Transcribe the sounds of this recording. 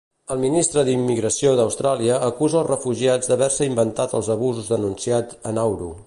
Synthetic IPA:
əlˠminist̪ɾəd̪imːiɣɾəsioðəwst̪ɾaliəʔːkuzəːlˠzrəfuʒiad͡zd̪əβɛɾsəimbənt̪at̪əlˠzəβuzuzðənunsiatənawɾu

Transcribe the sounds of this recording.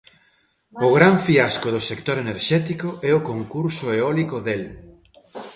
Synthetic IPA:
ʊɣɾaɱfiaskʊðʊsekt̪oɾeneɾʃɛt̪ikoʔɛʊkoŋkuɾsʊeɔlikʊðel

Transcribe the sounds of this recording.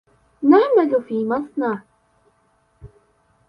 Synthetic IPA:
naʕmalʊfiːmasˤnaʕ

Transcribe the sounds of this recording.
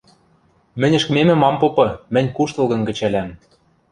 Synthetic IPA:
mɘ̆nʲɘ̆ʃkɘ̆memɘ̆mɑmpopɤ̆mɘ̆nʲkuʃt̪ɤ̆lˠɣɤ̆nkɘ̆t͡ɕælʲæm

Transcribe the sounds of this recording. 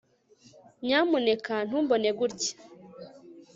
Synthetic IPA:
ɲaːmune̞kan̥huːmbone̞ɡuɾɟe̥

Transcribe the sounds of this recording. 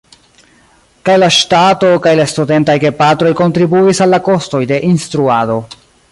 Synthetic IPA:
kajlaʃtato̞kajlaestude̞ntajɡe̞patɾo̞jko̞ntɾibuisalːako̞sto̞jde̞ʔinstɾuado̞

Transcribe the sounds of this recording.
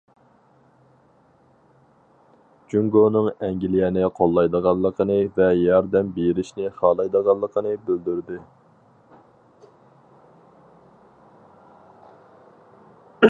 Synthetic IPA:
d͡ʒyŋɡonɨŋɛŋɡʲilijɛnɪqʰolˠːɑjd̪əʁɑlˠːəqʰənɨvɛjɑɾd̪ɛmbeɾɪʃnɪχɑːlˠɑjd̪əʁɑlˠːəqʰənɨbøld̪yɾd̪ɪ

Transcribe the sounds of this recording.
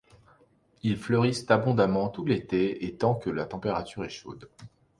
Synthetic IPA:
ilflœʁist̪abɔ̃d̪amɑ̃t̪ut̪let̪eet̪ɑ̃kəlat̪ɑ̃peʁat̪yʁɛʃo̰d̪

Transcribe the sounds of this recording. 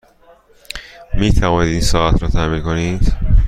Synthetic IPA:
miːt̪ʰævɒːniːd̪iːnsɒːæt̪ʰɾɒːt̪ʰæminkonid̪̥

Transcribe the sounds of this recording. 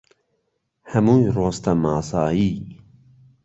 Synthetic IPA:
hɐmuːjroːst̪ɐmaːsaːjiː

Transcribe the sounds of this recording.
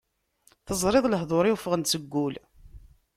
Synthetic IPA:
θəzˤɾˤɪðˤləɦðˤoɾiwfəʁənt͡səɡːul

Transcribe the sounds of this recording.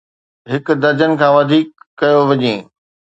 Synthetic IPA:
ɦɪkʊ̆d̪ɐɾd͡ʑənɪ̆kʰãːʋɐd̪ʱiːkːɐjoʋɐɲẽː

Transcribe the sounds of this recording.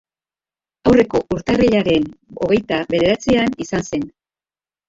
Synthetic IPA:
awre̞ko̞ʔuɾt̪ariʎaɾe̞no̞ɣe̞jt̪aβe̞ðe̞ɾat͡sianisanse̞n

